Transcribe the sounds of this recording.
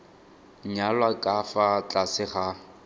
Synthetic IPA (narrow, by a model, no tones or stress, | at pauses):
ɲalwakʼafat͡ɬʼasɪχa